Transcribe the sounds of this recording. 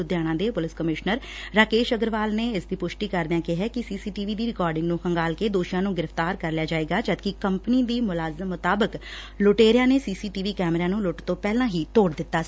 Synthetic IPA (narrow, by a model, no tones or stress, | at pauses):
ʊd̪jaːɽ̃ãːd̪eːpʊlɪskəmɪʃnəɾː | aːkeːʃəɡəɾʋaːlneːɪsd̪iːpʊʃʈiːkəɾd̪ãːkɪɦɛːkɪsiːsiːʈiːʋiːd̪iːɾɪkɔːɾɖɪ̃ŋɡnũːhəŋɡaːlkeːd̪oːʃijãːnũːɡɪɾəft̪aːɾkəɾlɪjaːd͡ʒaːeːɡaːd͡ʒəd̪kikəmpniːd̪iːmʊlaːzəmːʊt̪aːbək | lʊʈeːɾɪjãːneːsiːsiːʈiːʋiːkɛːmɾãːnũːlʊʈt̪õːpɛːlãːɦiːt̪oːɽd̪ɪt̪ːaː